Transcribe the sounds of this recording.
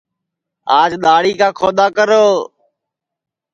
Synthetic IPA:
aːd͡ʒɗ̪aːɽiːkãːkʰoːd̪aːkəɾoː

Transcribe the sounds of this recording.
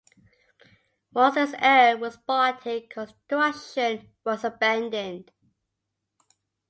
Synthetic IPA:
wɔzəzɛːwɒzbatʰɪkʰəstɹʌʃə̃n | wɒzəbæ̃ndə̃nd̥

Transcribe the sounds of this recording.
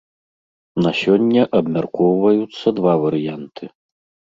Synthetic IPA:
nɐsʲɔnʲːɐʔɐbmʲarkɔwvɐjut̪sːɐd̪vavɐɾɨjant̪ʰɨ

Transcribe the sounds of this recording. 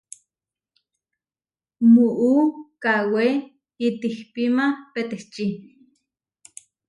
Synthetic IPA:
muʔukawe | it̪ihpimapet̪eht͡ʃi

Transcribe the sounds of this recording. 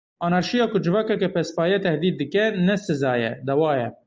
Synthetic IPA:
ɑːnɑɾʃijɑːkʊd͡ʒɨvɑːkɛkɛpʰɛspɑːjɛt̪ʰɛhd̪iːt̪̚d̪ɨkɛnɛsɨzɑːjɛ̰d̪ɛwɑːjɛ

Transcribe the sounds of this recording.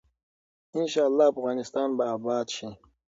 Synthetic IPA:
ɪnʃɑːalːɑːafɣɑːnɪst̪ɑːnbabɑːd̪ʃi

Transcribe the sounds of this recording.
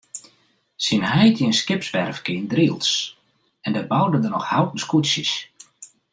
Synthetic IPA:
sinɦɛjtiənskɪpsʋɛrfkiːndriəlˠs | ɛndabawdəndənɔxhawtn̩skutsjəs

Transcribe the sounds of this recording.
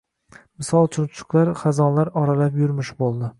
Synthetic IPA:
mɪsɒlˠt͡ʃʰʊnt͡ʃʰʊ̥klaɾχazɒnlaɾɒɾalapjʊɾmɪʃbolˠd̪ɪ

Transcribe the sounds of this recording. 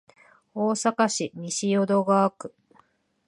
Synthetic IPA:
oːsakaɕimʲiɕijo̞d̪o̞ɡaːkɯ̟̥

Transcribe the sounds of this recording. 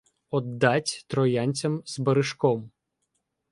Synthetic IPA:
ɔd̪ːɑtʲt̪ɾɔjanʲt͡sʲɐmzbɐɾɪʃkɔm

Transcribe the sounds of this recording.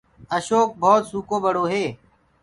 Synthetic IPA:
əʃoːk̚bʱɔːt̪suːkoːbəɽoːɦeː

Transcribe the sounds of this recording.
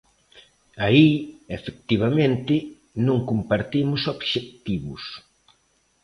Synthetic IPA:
aiefek̚t̪iβamẽnt̪ɪ | nõŋkumpaɾt̪imʊsobʃek̚t̪iβʊ̰s

